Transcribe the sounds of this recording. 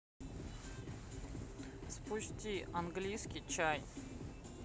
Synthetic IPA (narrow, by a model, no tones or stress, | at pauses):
spʊsʲtʲianɡlʲijskʲijt͡ɕaj